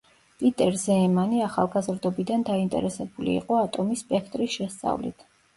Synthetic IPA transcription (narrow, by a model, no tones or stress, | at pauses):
pʼit̪ʼɛɾzɛːmaniaχa̰lˠɡazɾd̪ɔbid̪and̪aint̪ʼɛ̰ɾɛsɛbulḭːqʼɔat̪ʼɔmispʼɛkʰt̪ʼɾisʃɛst̪sʼa̰vlḭt̪ʰ